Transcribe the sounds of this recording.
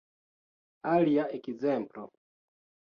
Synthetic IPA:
aliaekzemplo̰

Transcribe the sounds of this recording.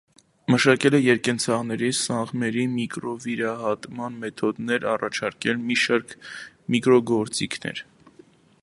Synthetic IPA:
məʃɑkɛlɛjɛɾkɛnt͡sʰɑʁnɛɾisɑɴʁmɛɾimikɾɔviɾɑɦɑt̪mɑnmɛt̪ʰɔd̪nɛɾɑrɑt͡ʃʰɑɾkɛlmiʃɑɾkʰ | mikɾɔɡɔɾt͡sikʰnɛ̰ɾ

